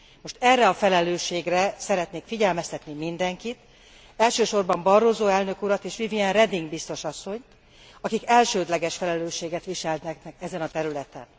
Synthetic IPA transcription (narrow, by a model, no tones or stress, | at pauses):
mo̞ʃt̪ɛrːɛɒfɛlɛløːʃːeːɡrɛsɛɾɛt̪neːkfiɟɛlmɛst̪ɛt̪nimind̪ɛŋkit̪ | ɛlʃøːʃo̞rbɒmbɒrːozoːɛlnø̞kuɾɒt̪eːʃʋiviɛnrɛd̪iŋɡbist̪o̞ʃɒsːo̞ɲt̪ | ɒkikɛlʃøːd̪lɛɡɛʃfɛlɛløːʃeːɡɛt̪ʋiʃɛlt̪ɛknɛkɛzɛnɒt̪ɛɾylɛt̪ɛ̰n